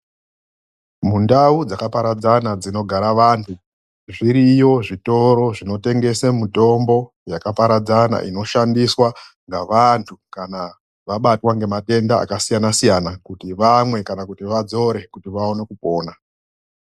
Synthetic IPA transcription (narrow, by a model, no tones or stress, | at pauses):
mundaud͡zakapaɾad͡zanad͡zino̞ɡʱaɾaʋaːntʰu | ʐiɾijo̞ʐito̞ɾo̞ʐino̞te̞ŋɡe̞semuto̞mbo̞ | jakapaɾad͡zana̰ʔḭno̞ʃandiswa | ŋɡaʋantʰukana | ʋaɓatwaŋɡe̞mate̞ndaa̰kasijanasijanakutiʋamwe̞kanakutiʋad͡zo̞ɾe̞kutiʋao̞ne̞kupo̞ːna